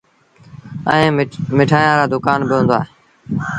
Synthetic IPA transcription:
əẽːmɪʈʰaːjãːɾaːd̪ʊkaːnbɪɦõnd̪oaːɦeː

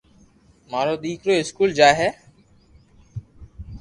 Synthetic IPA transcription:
maːɾoːɗ̪iːkɾoːɪskuːld͡ʒaːɦɛː

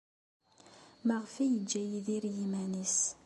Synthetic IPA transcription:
məʁfijəd͡ʒːæjiðiɾjimænis

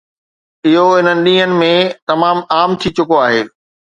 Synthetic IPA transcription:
ɪɦoɦɪn̤ənɪ̆ɗĩːɦənɪ̆mẽt̪ɐmaːmaːmt̪ʰit͡ɕʊkoaːɦeː

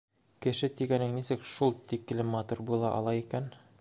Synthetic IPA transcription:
kɘ̆ʃɘt̪iɡænɘŋnisɘkʃulˠt̪ik̆lɘmɑt̪urbulˠɑʔɒ̰lˠɑikæn

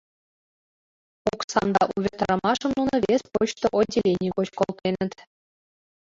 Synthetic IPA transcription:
oksɑ̰md̪ɑ̰ʔuβʲet̪ɾɑ̆mɑʂɤ̆mnunɤ̆βʲespot͡ɕt̪oʔodʲelʲenʲijkot͡ɕkolˠt̪enə̆t̪

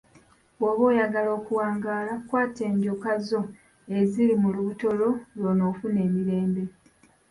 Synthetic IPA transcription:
woβo̞ːjaɡalo̞ːkuwaːŋɡaːlakwaːte̞ːɲɟokazo̞ | e̞ziɾimuluβuto̞lo̞lwono̞ːfune̞ːmiɾe̞ːmbe̞

